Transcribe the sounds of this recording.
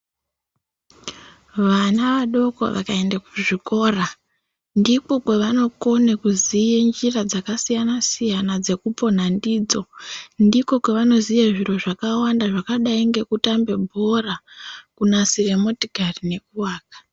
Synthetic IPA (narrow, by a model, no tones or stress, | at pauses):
ʋanaʋaɗo̞ko̞̰ʋa̰kae̞ndakuʐiko̞ːra | ndiko̞kwe̞ʋano̞ko̞nekuzijend͡ʒirad͡zakasijanasijanad͡ze̞kupo̞n̤andid͡zo̞ndiko̞kwe̞ʋano̞zijaʐiro̞ʐakawandaʐakaɗaiŋɡe̞kutambe̞bʱo̞rakunasiremo̞tiɡʱarine̞kuwaːkḁ